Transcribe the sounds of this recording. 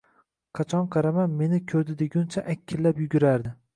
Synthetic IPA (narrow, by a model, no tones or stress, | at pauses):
qʰɑt͡ʃʰɒnqʰɑɾamanme̞nɪkʲʰɵɾd̪ɪd̪eɡʲʊnt͡ʃʰaʔakʲʰːɪlːapjʊɡʲʊɾaɾd̪ɪ